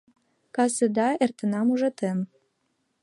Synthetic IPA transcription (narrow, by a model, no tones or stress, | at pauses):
kɑsəd̪ɑert̪ə̆nɑmuʒɑt̪em